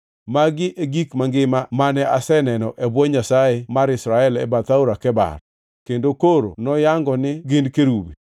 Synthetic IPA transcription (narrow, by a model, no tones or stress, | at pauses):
maɡɪʔeɡikmaŋɡɪmamanɛʔasɛnɛnɔʔebwɔɲasaemaɾɪsɾaɛlɛ̰bat̪auɾakɛba̰r | kendokoɾo̰nɔjaŋɡɔnɪɡɪndkeɾubḭ